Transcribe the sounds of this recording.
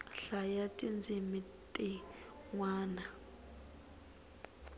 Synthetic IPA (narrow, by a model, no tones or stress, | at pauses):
ɬajatʼind͡zʱimi | tʼi | ŋwaːna